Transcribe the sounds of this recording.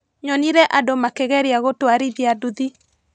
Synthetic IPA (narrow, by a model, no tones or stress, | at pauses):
ɲɔniɾɛʔadomakɛɣɛɾeaɣotoaɾiðiaduði